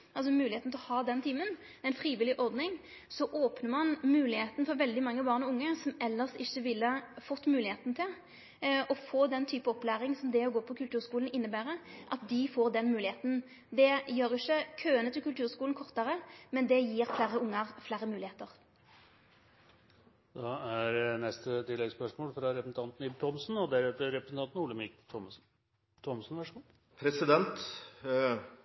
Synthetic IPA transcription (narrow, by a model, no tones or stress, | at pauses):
ʔɑls̬ɔmʉːlɪheːt̪n̩t̪ʰlɔhɑːd̪ɛnt̪ʰiːmən | ɛɪnfʁiːʋɪlɪʔɔʁd̪nɪŋ | sɔʔoːpnəʁmɑnmʉːlɪheːt̪n̩fɔɾʋɛld̪ɪmɑŋːəbɑːʁnɔʊŋːəsɔmɛlːəʁst̪ɪçːəʋɪlːəfɔt̪ːmʉːlɪheːt̪n̩t̪ʰɪl | ɔfoːd̪ɛnt̪ʰyːpəɔplæːʁɪŋsɔmd̪ɛɔɡoːpʰɔkʰʉlt̪ʉːʁskuːln̩ɪnːəbæːʁəʔɑt̪̚d̪ɪfoːʁd̪ɛnmʉːlɪeːt̪n̩ | d̪ɛjøːɾɪçːəkʰøːənət̪ɪlkʉlt̪ʰʉːʁskuːln̩kʰɔʁt̪ɑʁəmɛnd̪ɛjiːʁflæːɾəʊŋːəʁflæːɾəmʉːlɪeːt̪əʁ | d̪̥ɑæɾnɛst̪ət̪ʰɪlːɛɡspœʂmoːlfɾɑɾɛpsn̩t̪ʰɑnt̪n̩ɪt̪ʰɔmsnɔd̪æɾʉːt̪əɾɛpɾəsn̩t̪ɑnt̪n̩uːləmɪkt̪ʰm | t̪ʰɔmsn̩ʋæʂuːn | pʰɾɛsɪd̪ɛnt̪